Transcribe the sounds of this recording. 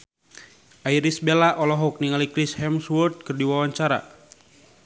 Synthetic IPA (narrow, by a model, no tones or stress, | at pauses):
ʔaiɾisbelaʔɔlɔɦɔk̚niŋalikɾishɛmswɔrt̪̚kərdiwawaɲt͡ʃaɾa̰